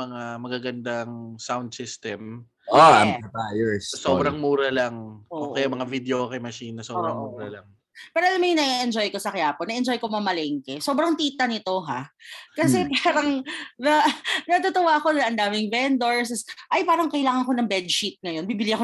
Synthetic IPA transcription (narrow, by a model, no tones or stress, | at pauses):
ɐŋamɐɡaɡɐnd̪aŋsawnd̪̚sɪst̪ɛm | oɐɐpajɛɹssoːbɾɐŋmuːɾɐlaŋʔoʔokɐjamɐŋavid̪ɛokɐmɐʃiːnɐsoːbɾɐŋmuːɾɐlaŋ | pɛːɾoʔɐlamɐjʊŋnɐʔiʔɛnd͡ʒojko̞sɐkɐaːponɐʔɛnd͡ʒo̞jkomɐmɐlɛŋkɛso̞ːbɾɐŋt̪iːt̪ɐnɪt̪o̞ɦakɐsɛpaːɾɐŋnɐnɐt̪ʊt̪ʊwaɐko̞nɐŋʔɐnd̪aːmɪŋvɛnd̪oɹs̬sʔɐjpaːɾɐŋkɐʔɪlaːŋɐŋko̞nɐŋbɛd̪̚ʃit̪̚ŋɐjo̞nbibɪliʔɐko